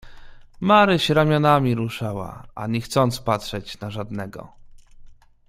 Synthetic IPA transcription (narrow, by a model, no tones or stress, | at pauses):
maɾɘɕɾamʲjɔnamʲiɾuʂawa̰ʔa̰ɲɛxt̪sɔnt̪spatʂɛt͡ɕnaʐad̪nɛɡɔ̰